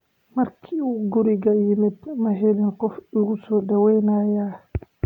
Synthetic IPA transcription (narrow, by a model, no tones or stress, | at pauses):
mɐɾkʰiuɡuɾiɡajimɛt̪maɦɛlɛnkɔfiɡusɔːdawɛjnaːjaː